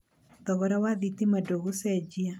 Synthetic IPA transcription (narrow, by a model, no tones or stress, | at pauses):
ðɔɣɔɾawaðitimadoɣusɛd͡ʒia